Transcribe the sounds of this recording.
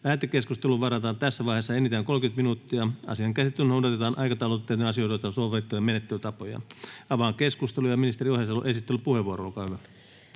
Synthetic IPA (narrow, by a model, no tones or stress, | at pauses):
æːt̪ekːeskust̪eluʋɑrɑt̪ɑːnt̪æsːæʋɑihesːɑenit̪æːŋkolkyt̪minut̪ːiɑɑ̰siɑŋkæsit̪ːyynoˑudɑt̪et̪ɑːnʔɑikɑt̪ɑulot̪ːeːt̪neɑsijoit̪jot̪ːɑsoʋet̪ːumenet̪ːelyt̪ɑpojɑ̰ɑʋɑːŋkeskust̪elujɑminist̪eriohjɑsɑlo̰ʔesit̪ːelypuheʋuoroolkɑːhyʋæ